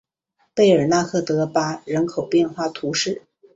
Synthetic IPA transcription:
pe˥˩ɪə˞˨˩na˥˧kʰɤ˥˩t̪ɤ˧˥pa˥ɻə˧˥nkʰo˨˩ʊpjɛ˥˧nxwa˥˩t̪ʰu˧˥ʂɻ̩˥˩

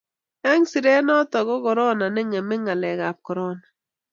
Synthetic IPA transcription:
ɛ˦ŋsi˨ɾe˦nɔ˦t̪ɔ˨ɡɔ˦kɔ˨ɾɔ˦na˨nɛ˦ŋɛ˨mɛ˦ŋa˨lɛ˨ɡa˨p̚kɔ˨ɾɔ˦na˨

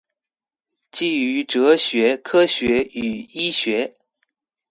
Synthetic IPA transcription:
t͡ɕi˥˩y˧˥ʈ͡ʂɤ˧˥ɕɥɛ˧˥kʰɤ˥ɕɥɛ˧˥y˨˩i˥ɕɥɛ˧˥

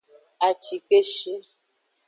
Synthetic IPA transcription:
a˨t͡ʃi˨k͡pe˦ʃi˦

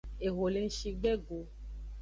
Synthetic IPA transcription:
e˨ɣo˨le˨˧n̩˦ʃi˧ɡ͡bɛ˦ɡo˨

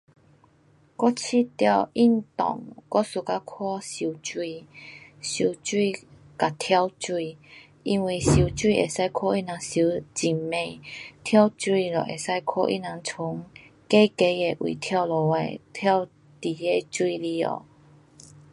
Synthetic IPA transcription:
kɔ˦˥t͡ɕʰi˥˦t̪ja˥˧wi˥˧˨nt̪ɔ̰˨˩ŋkɔ˦su˨˧˩ka˦kʰwɔ˥˦ɕi˧˩wt͡swi˥˧ | ɕu˧˨t͡swi˥˧ | ka˨˩t̪ʰja˦˧wt͡swi˥˧˨ | i˧nwi˧˨ɕi˧˨t͡swi˥˧˨ʔḛ˨˩sa˥˧jkʰɔ˥˧i˦˥nã˨˧˦ɕi˧˦t͡ɕi˨˩mmẽ˨˩t̪ʰja˦wt͡swi˥˧lɔ̰˨˩ʔe˨˩sa˥˧jkʰɔ̰˦˧ʔḭ˦˨nã˧˦ŋt͡sʰʊ˨˦ŋ | ke˦ke˧˦e˨˩ʔwḭ˨t̪ʰja˥˧˩wlɔ˨˩ḛ˨˩t̪ʰja˥˧w | t̪i˨˩e˥˧˨t͡swi˥˧li˧ɔ̰˨˩

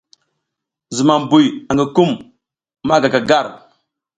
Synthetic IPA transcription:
zu˨ma˨m˨bu˨ja˨ŋɡə˨ku˦mː | a˦˨ɡa˨ka˨ɡa˦˨ɾ

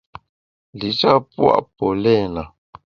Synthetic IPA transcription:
li˨t͡ʃa˦pwa̰˦˨ʔpo˨lɛ˦na˨

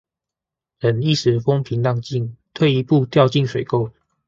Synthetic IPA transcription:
ɻə˨˥ni˥˩sɻ̩˨˦fo˥ŋpʰi˨˦ŋt̪ɑ˥˧ŋt͡ɕi˥˨nt̪ʰwe˥˩ɪi˧˥pu˥˧t̪jɑ˥˧ʊt͡ɕi˥˩ŋʂwe˨˩ɪko˥˨ʊ

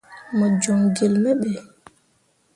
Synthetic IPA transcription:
mə˨d͡ʒo˨ŋɡe˨lmɛ˦ɓe˨

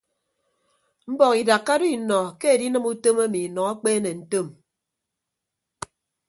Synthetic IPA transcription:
m̩˦bɔ˨ki˨da˨kːa˦do˦i˨nɔ˨ke˦e˨di˦nɨ˦mu˦to˦ma˦mi˨nɔ˨a˦k͡peː˦ne˨n̩˨to˦˨m

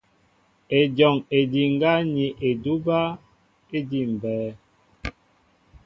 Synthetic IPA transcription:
e˨d͡ʒɔ˨ŋe˨di˨ŋ˦ɡa˦ɲi˨ʔe˨du˦ba˦ | e˦di˦˨m̩˨bɛː˨˦

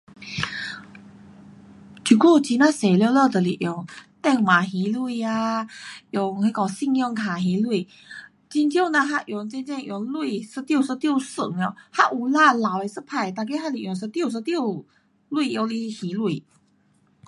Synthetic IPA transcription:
t͡ɕu˨˧˩ku˥˩t͡ɕi˧˦nwã˥se˨˩ljo˧lə˥˧t̪ə˨˩li˨˩ʔjo˨˧˩ŋt̪ɛ˥˧ŋma˨˩ɦi˨˧˦lu˥˧˩ia˧jo˨˩ŋhe˧˦kɔ˨˩si˥˧ŋjo˧ŋkʰa˨˩ɦi˧˦lwu˧˩˨ | t͡ɕi˧ntjo˥˧˨na˧ɦa˧ʔjo˨˧˦ŋt͡ɕɛ˥˧nt͡ɕɛ˥˧ŋʔjo˨˧˩ŋlu˥˧sə˧˥t̪ji˥˧˨sə˧t̪jo˥˧sə˨˩ŋɔ˧˩ha˥˧ʔu˨˩la˥˧˨la˨˩˦we˧sə˥pʰa˧˩jt̪a˧˩k̬e˥ha˥li˨ʔjo˨˩ŋs̬ə˧˥t̪jo˥˧˨s̬ə˧t̪jo˥˧ | lwu˥˧˨jo˧li˧hi˨˦lu˧˩

